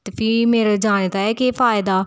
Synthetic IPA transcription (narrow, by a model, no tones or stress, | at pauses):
t̪fimeːɾd͡ʒaːɽ̃et̪aɛkeːfaːɪd̪a